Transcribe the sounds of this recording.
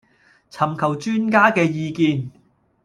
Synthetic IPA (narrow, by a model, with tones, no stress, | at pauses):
t͡sʰɐ˨˩mkʰɐ˨˩wt͡ʃyː˥nkaː˥kɛː˧jiː˧kiː˧n